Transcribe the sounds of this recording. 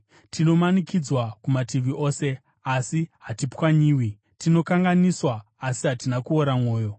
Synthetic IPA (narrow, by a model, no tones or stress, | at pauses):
tino̞manikid͡zwakumatiʋiʔo̞ːse̞ | asiɦatipkwaɲiːwi | tino̞kaŋɡaniswaː | siɦatinakuoɾamo̞ːjo̞